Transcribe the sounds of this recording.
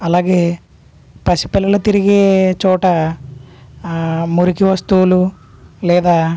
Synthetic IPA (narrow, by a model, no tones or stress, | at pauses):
ɐlaːɡeː | pɐsi̥pɛlːɐlɐt̪iɾiɡeːt͡ʃɔːʈɐ | muɾikiʋɐst̪uːlu | lɛːd̪aː